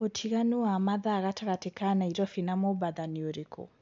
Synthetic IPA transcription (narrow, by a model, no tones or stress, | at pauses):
otʰiɣanuwamaðaɣatʰaɣatɛkanaiɾɔfinamɔbaðanioɾekʰɔ̰